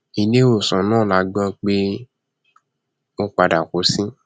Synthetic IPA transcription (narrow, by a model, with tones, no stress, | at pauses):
i˨nẽ˦o˨sɔ̃˨nãː˦˨la˨˧ɡ͡bã˧˦k͡pe˦ | o˦k͡pa˧da˨ko˨˦sĩ˦